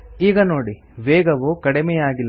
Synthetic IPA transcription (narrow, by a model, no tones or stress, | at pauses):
iːɡɐnoːɽi | ʋeːɡɐʋukɐɽimɛjaːɡilːɐ